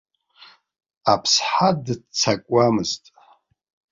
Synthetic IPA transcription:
apʰsħadt͡sʰakʷʼamɨztʼ

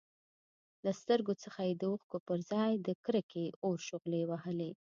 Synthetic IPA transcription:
last̪əɾɡot͡səxajed̪əuxkopəɾzɑjd̪əkɾəkʰeoɾʃʊɣlewaɦəle

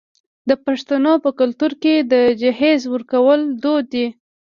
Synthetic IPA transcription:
d̪əpaʂt̪anopəkʊlt̪uɾked̪əd͡ʒahezwəɾkawəld̪od̪ːi

